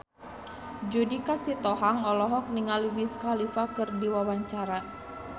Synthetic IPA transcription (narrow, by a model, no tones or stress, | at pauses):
d͡ʒudikasit̪ɔɦaŋɔlɔɦɔk̚niŋaliwiskalifakɨrdiwawaɲt͡ʃaɾa